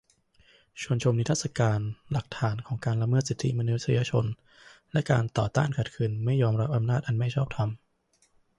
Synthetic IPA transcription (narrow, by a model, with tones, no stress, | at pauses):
t͡ɕʰu˧ənt͡ɕʰo˧mni˥t̪ʰa˥˩t̚sa˧kaː˧nla˨˩k̚t̪ʰaː˩˦nkʰɔː˩˦ŋkaː˧nla˧mɤː˥˩t̪si˨˩t̪ʰːḭ˦˥ma˧nu˦˥t̪̚si˧ja˧t͡ɕʰo˧n | lɛ˦˥ʔka̰ː˧nt̪ɔː˨˩t̪a̰ː˥˩nkʰa˨˩t̪̚kʰɯː˧nma˥˩jːɔː˧mɾa˦˥p̚ʔa˧mnaː˥˩t̪̚ʔa˧nma˥˩jt͡ɕʰɔː˥˩p̚t̪ʰa˧m